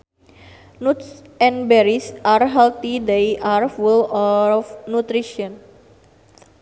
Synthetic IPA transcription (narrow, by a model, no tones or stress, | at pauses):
nut̪sɛ̃nbɛɾisʔarɦɛlt̪id̪ejʔarfulɔfnut̪ɾiʃiɔn